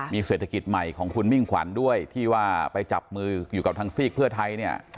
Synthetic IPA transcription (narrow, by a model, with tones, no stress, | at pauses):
miː˧seː˨˩t̪ʰa˧ki˨˩t̪̚ma˨˩jkʰɔː˩˦ŋkʰu˧nmi˥˩ŋkʰwa̰˩˦ndu˥˩əjt̪ʰiː˥˩waː˥˩pa˧jt͡ɕa˨˩p̚mɯː˧juː˨˩ka˨˩p̚t̪ʰaː˧ŋsiː˥˩k̚pʰɯ˥˩ɐt̪ʰa˧jni˥˩ɐ